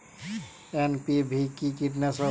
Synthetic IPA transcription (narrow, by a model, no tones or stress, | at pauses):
enpibʱikikiʈ̬nɛsɔ